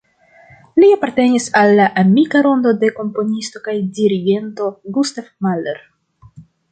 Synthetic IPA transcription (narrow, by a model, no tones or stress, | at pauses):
liapaɾte̞nisalːaʔamikaɾo̞ndo̞de̞ko̞mpo̞nisto̞kajdiɾiɡe̞nto̞ɡustefmalḛɾ